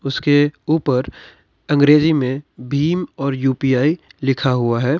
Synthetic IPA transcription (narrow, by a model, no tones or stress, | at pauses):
ʊskeuːpəɾ | ɐ̃ŋɡɾeːzimẽbʱiːmɔːɾjuːpijaːilɪkʰaɦʊaɦɛː